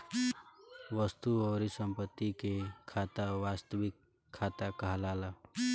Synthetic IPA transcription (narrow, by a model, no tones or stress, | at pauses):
ʋəst̪uɔːɾisəmpət̪ːikekʰaːt̪aʋaːst̪əʋɪkʰː | aːt̪akəɦlaːla